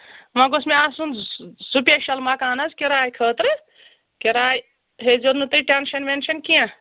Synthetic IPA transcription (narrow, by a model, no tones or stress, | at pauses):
mãɡosmeasunsupjeʃɐlmakaːnɐzkeɾaːjkʰəːt̪ɾ | keɾaːj | ɦed͡ʒonɨt̪ɨʈʲenʃɐnʋenʃɐnkijã